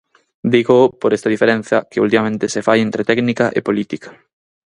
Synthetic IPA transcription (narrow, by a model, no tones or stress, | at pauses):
d̪iɣopoɾest̪ɐðifeɾẽn̟θjɐkeṵlt̪imamẽnt̪esefajent̪ɾet̪ɛknikaʔḛpolit̪ikḁ